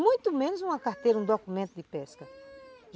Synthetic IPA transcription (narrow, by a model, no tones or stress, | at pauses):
mũj̃t̪umẽnʊzũmɐkaɾt̪ejɾũd̪okumẽnt̪ʊd̪ɪpɛskɐʒ